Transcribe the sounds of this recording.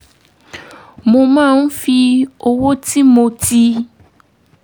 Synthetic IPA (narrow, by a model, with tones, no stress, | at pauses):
mo˧mã˦˨n̩˦fi˧o˧wo˦ti˦mo˧ti˦